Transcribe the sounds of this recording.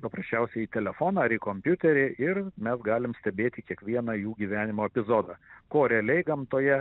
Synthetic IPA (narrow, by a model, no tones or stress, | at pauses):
pɐpɾɐsʲt͡ʃʲɛʊsʲɛɪit̪ʲɛlʲɛfoːnɐɐɾikoːmʲpʲjʊt̪ʲɛɾʲɪʔɪrmʲɛsɡɑːlʲɪmsʲt̪ʲɛbʲeːt̪ʲikʲiɛkʋʲiɛnɐjuːɡʲiːʋʲæːnʲɪmoːɛpʲɪzoːd̪ɐkoːɾʲɛɐlʲɛɪɡɐmt̪oːjɛ